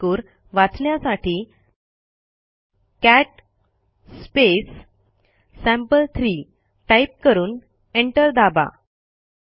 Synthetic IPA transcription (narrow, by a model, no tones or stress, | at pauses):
uːɾ | ʋat͡sljasaʈiː | kæʈ | spesː | æ̃mpəlt̪ʰɾiː | ʈajp̚kəɾuːn | eɳʈəɾd̪aba̰